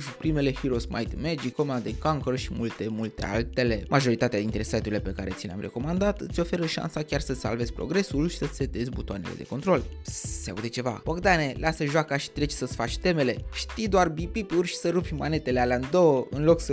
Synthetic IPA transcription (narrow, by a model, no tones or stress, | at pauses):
pɾime̞le̞hiɾosma̰jt̪med͡ʒiko̞mand̪eŋkaŋkəɾʃimult̪e̞mult̪e̞̰a̰lt̪e̞le̞mʔaʒo̞ɾit̪at̪ead̪int̪ɾe̞sajt̪uɾile̞pe̞kaɾe̞t̪sileamrʔe̞̰ko̞mand̪at̪ɨt̪sʲo̞fe̞ɾəʃa̰nsakʲarsəsa̰lve̞zʲpɾo̞̰ɡɾe̞sulʃi̥səset̪ezʲbut̪oane̞lḛd̪e̞ko̞nt̪ɾo̞lsea̰ud̪e̞t͡ʃeva̰pokd̪ane̞lasəʒoakaʃi̥t̪ɾe̞t͡ʃʲsəsfat͡ʃʲt̪e̞me̞le̞ʃt̪ijd̪oarbipipurʲʃi̥səɾupʲma̰ne̞t̪e̞lealeaɨnd̪o̞wəɨnlo̞ksə